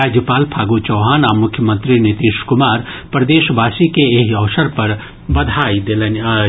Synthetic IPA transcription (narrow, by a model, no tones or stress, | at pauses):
aːd͡ʒjəpaːlpʰaːɡut͡ʃɔːɦaːnaːɾmʊkʰjəmə̃nt̪ɾinɪt̪iːʃkʊmaːɾpɾɐd̪eːʃʋaːsikeeɦɐːsəɾpɐɾ | bɐd̪ʱaːid̪elen